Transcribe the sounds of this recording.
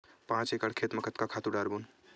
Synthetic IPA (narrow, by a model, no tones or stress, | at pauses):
pãt͡ʃekəɽkʰet̪məkət̪kakʰat̪uɖaɾbun